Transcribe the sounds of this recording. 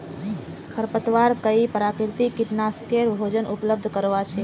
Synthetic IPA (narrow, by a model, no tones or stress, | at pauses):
kʰəɾpət̪ʋaɾkəipəɾakɾt̪ikɪʈnaskeɾbʱod͡ʒənʔʊpləb̚d̪ʱkəɾʋat͡ʃʰe